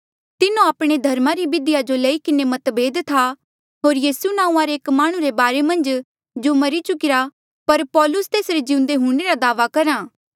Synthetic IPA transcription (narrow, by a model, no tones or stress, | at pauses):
t̪ɪnũaːpɽ̃ed̪ʱɐɾmaɾibɪd̪ɪjad͡ʒolɐikɪnemɐt̪beːd̪t̪ʰa | ɦoːɾjiːsunãːũãɾeːkmaːɽ̃ũɾebaːɾemɐ̃nd͡ʒ | d͡ʒomɐɾit͡ʃʊkɪɾa | pɐɾpɔːlʊst̪eːsɾed͡ʒɪ̃ʊ̃nd̪eɦʊ̃ɽ̃eɾad̪aːʋakɐɾaː